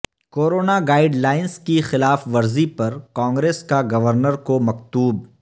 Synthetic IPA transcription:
koːɾoːnaɡaːɪɖlaːɪnskixɪlaːfʋɐɾzipɐɾkãːŋɡɾeːskaɡɐʋəɾnəɾkomɐkt̪uːb

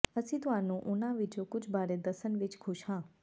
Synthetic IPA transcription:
əsit̪ʋanũʔʊnãʋɪt͡ʃokʊt͡ʃʰbaːɾed̪əsənʋɪt͡ʃkʰʊʃhã

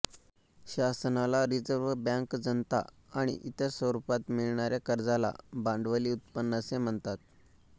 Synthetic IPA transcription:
ɕasnalaɾid͡zəɾʋbjãŋkd͡zənt̪a̰ | aɽ̃ḭʔit̪əɾsʋəɾupat̪miɭɳaɾjakəɾd͡zala̰bãɳɖʋəliːut̪pənːəsem̤əɳt̪at̪̚

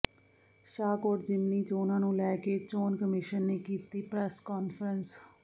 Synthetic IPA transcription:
ʃaːkoːɾd͡ʒɪmniːt͡ʃoːnãːnũːlɛːkeːt͡ʃoːnkəmɪʃənːeːkiːt̪iːpɾɛːskɔːnpʰəɾəns

